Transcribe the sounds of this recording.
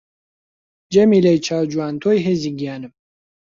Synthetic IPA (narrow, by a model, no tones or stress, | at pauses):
d͡ʒɛmilejt͡ʃʰaːwd͡ʒuwaːnt̪ʰojɦeziɡijaːnɨm